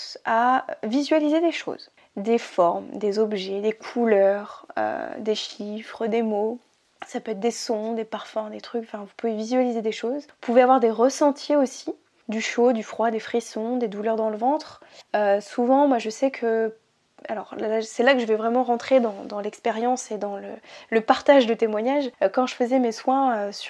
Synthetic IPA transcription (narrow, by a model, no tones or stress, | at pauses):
savizɥalized̪eʃo̰z | d̪efɔʁmd̪ezɔbʒɛd̪ekʰulœʁø̰d̪eʃifχd̪emo | sapøɛt̪χd̪esɔ̃d̪epaʁfɛ̃d̪et̪χykɑ̃fɛ̃vupuvevizɥalized̪eʃozupuveavwaʁd̪eʁəsɑ̃t̪ʰjeosi | d̪yʃod̪yfχwad̪efχisɔ̃d̪ed̪ulœʁd̪ɑ̃ləvɑ̃t̪χøsuvɑ̃mwaʒəsɛkʰə | a̰lɔʁlasɛlakəʒəvɛvʁɛmɑ̃ʁɑ̃t̪χed̪ɑ̃d̪ɑ̃lɛkspeʁjɑ̃sed̪ɑ̃lələpaʁt̪aʒd̪ət̪emwaɲaʒkɑ̃ʒəfəzɛmeswɛ̃øs